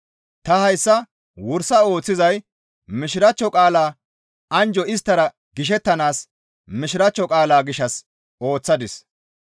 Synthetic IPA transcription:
t̪ɐhɐjsːɐ | wʊɾsɐo̞ːt͡sːɪzɐj | mɪʃɪɾɐt͡ʃːɔkʼaːlaː | ɐnd͡ʒɔɪs̬t̪ːɐɾɐ | ɡɪʃ̬ɛt̪ːɐnaːs | mɪʃɪɾɐt͡ʃːɔkʼaːlaːɡɪʃːɐs | o̞ːt͡sːɐd̪ɪs

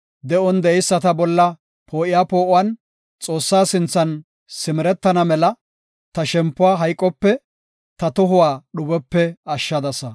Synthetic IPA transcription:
d̪ɛʔɔnd̪ɛʔɛjsːɐt̪ɐbɔlːɐ | pʰo̞ːʔɪjaːpo̞ːʔʊwɐn | t͡sʼo̞ːsːaːsɪnt͡sːɐn | sɪmɪɾɛt̪ːɐnɐmɛlɐ | t̪ɐʃɛmpːʊwaːɦɐjkʼːɔpːɛ | t̪ɐt̪ɔɦʊwaːɗʊbɛpːɛɐʃːɐd̪ɐsɐ

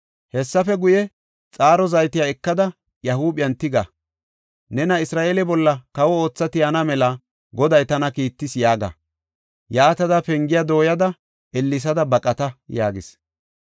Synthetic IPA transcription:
hɛsːɐfɛɡʊjɛ | t͡sʼaːɾɔzɐjt̪ɪjaːɛkːɐd̪ɐ | jɐhuːbɪjɐnt̪ɪɡɐ | nɛnɐɪsɾaːʔeːlɛbɔlːɐkɐwɔo̞ːt͡sːɐt̪ɪjanɐmɛlɐ | ɡɔd̪ɐjt̪ɐnɐkiːt̪ːɪsjaːɡɐ̰ | jaːt̪ɐd̪ɐpɛŋɡɪjad̪o̞ːjɐd̪ɐ | ɛlːɪs̬ɐd̪ɐbɐkʼɐt̪ɐjaːɡɪs

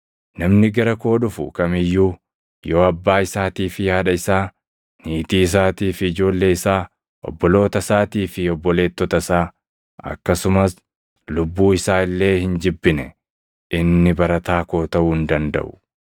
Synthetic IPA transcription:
nɐmnɪɡɐɾɐko̞ːᶑʊfʊ̰kɐmɪjːuː | jo̞ːɐbːaːɪsaːt̪iːfɪɐᶑɐɪsaː | niːt̪iːɪs̬aːt̪iːfɪːd͡ʒo̞ːlːe̞ːɪsaː | ʔɔ̰bːɔlo̞ːt̪ɐsaːt̪iːfɪɔbːɔle̞ːt̪ːɔt̪ɐsaː | ɐ̰kːɐsʊmɐs | lʊbːuːɪsaːɪlːe̞ːhɪnd͡ʒɪbːɪnɛ | ʔɪnːɪbɐɾɐt̪aːko̞ːt̪ɐʔuːɪnd̪ɐnd̪ɐ̰ʔʊ̥

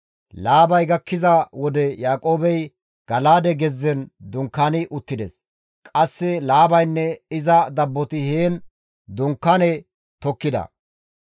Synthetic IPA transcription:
laːbɐjɡɐkːɪzɐwɔd̪ɛjaːkʼo̞ːbɛj | ɡ̥ɐlaːd̪ɛɡɛzːɛnd̪ʊŋkːanɪʔʊt̪ːɪd̪ɛs | kʼɐsːɛlaːbɐjnːɛɪzɐd̪ɐbːɔt̪ɪheːn | d̪ʊŋkːanɛ | t̪ɔkːɪd̪ɐ̰

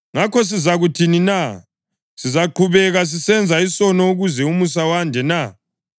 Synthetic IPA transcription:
ŋakɔs̬izaɣutʰinina | sizaǃʰuβɛɣas̬isɛnd͡zʱaisɔnɔuɣuzɛumusawandʱɛna

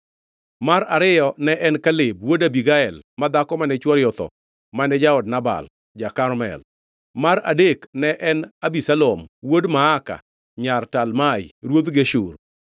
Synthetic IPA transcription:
maɾaɾɪjɔnɛʔɛnkalɪb̚wodabiɡaɛlmad̪akɔmanɛt͡ʃwɔɾjɔt̪ɔ̰ | manɛd͡ʒaɔdnaba̰l | d͡ʒakaɾmɛ̰l | maɾadeknɛʔɛnabisalomwodmaːka̰ | ɲartalmajɾwod̪ɡeʃur

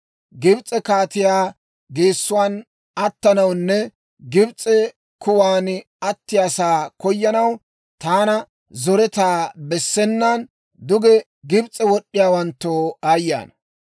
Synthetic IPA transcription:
ɡɪbt͡sʼɛkaːt̪ɪjaː | ɡeːsːʊwaːn | ɐt̪ːɐnɐwnːɛ | ɡɪbt͡sʼɛ | kʊwaːn | ɐt̪ːɪjasaːkɔjːɐnɐw | t̪aːnɐ | zɔɾɛt̪aːbɛsːɛnːɐn | d̪ʊɡɛ | ɡɪbt͡sʼːɛwɔɗːɪjaːwɐnt̪ːoːaːjːa̰ːnɐ

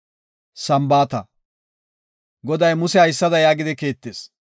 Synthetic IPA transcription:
sɐmbaːt̪ɐ | ɡɔd̪ɐjmʊsɛhɐjsːɐd̪ɐjaːɡɪd̪ɪke̞ːt̪ːeːs

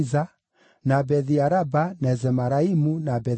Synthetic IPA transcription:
za | nabɛðiaɾabanɛzɛmaɾaimunabɛ

